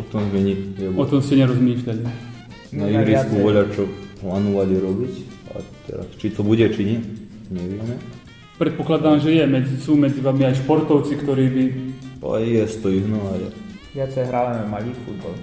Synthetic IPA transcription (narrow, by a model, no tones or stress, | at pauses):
ɔt̪ɔmzmɛɲiɛʋɔt̪ɔmscɛɲɛɾɔzmiːʃʎʲali | najuɾiskuʋɔʎat͡ʃɔplaːnɔʋaliɾɔbica̰t̪ɛ̰ɾa̰st͡ʃit̪ɔbuɟɛt͡ʃiɲic | ɲɛʋɪɛmɛ | pɾɛt̪̚pɔklad̪aːmʒɛjɛmɛd͡zisuːmɛd͡ziʋaːmiajʃpɔɾt̪ɔʊt͡sikt̪ɔɾiːbia̰ɛ̰jɛst̪ɔiɦnɔalɛ | ʋɪat͡sɛjɦɾalammaliːfud̪bal